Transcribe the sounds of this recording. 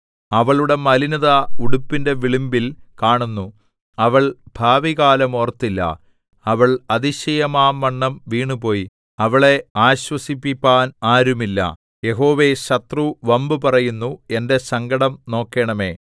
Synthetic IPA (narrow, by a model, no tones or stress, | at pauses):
ɐʋɐɭuɽe̞mɐlinɐðɐuɽupːinde̞ʋiɭimbilkaːɳunːu | ɐʋɐɭbʱaːʋiɣaːlɐmoːrt̪ːilːɐ̰ | ɐʋɐɭɐðiɕɐjɐmaːmːɐɳːɐmʋiːɳupo̞ːji | ɐʋɐɭe̞aːɕwɐsipːipʲːaːnaːɾumilːɐ̰ | je̞ɦo̞ːʋe̞ɕɐt̪ruʋɐmbɨpɐrɐjunːue̞nde̞sɐŋɡɐɽɐmno̞ːkːeɳɐme̞̰ː